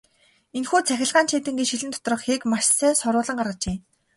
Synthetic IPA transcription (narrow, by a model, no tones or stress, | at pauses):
enxuːt͡sʰæxʲɪ̆ɮʁaːnt͡ɕiːt̪ɘ̆ŋɡit͡ɕʃiɮɘ̆nt̪ʰɔ̥t̪̆rɞ̆χxeːkmaʃsæːsɔɾʊːɮə̆ɴɢarʁə̆t͡ɕeː